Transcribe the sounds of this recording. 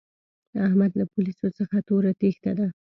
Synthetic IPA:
d̪əahmad̪lapʊlisot͡səxat̪oɾat̪ext̪ad̪a

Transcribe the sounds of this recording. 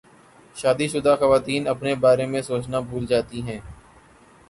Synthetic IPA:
ʃaːd̪iʃʊd̪aːxəʋaːt̪iːnɐpnebaːɾemẽsoːt͡ʃnabʱuːld͡ʒaːt̪iɦɛ̃ː

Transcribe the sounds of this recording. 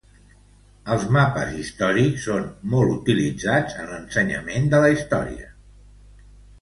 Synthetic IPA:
əlˠzmapəzist̪ɔɾiksːonmɔlˠut̪ilid͡zad͡zənlənsəɲə̰mend̪ələist̪ɔ̰ɾḭə

